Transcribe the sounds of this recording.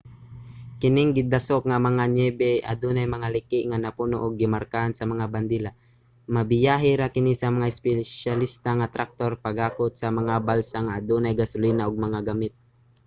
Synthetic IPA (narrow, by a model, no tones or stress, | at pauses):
kɪnɪŋɡɪd̪asok̚ŋamɐŋaɲɛbɛʔa̰d̪unajmɐŋalɪkɪʔŋanapunoʔʊɡ̚ːɪmaɾkahansɐmɐŋaband̪ila | mabɪjaɦiɾakɪnisɐmɐŋaɪspɛʃalist̪aŋat̪ɾʔak̚t̪orpaɡaːkʊt̪̚samɐŋabalsaŋaːd̪unajɡasʊlinaʔʊɡ̚mɐŋaɡamɪt̪̚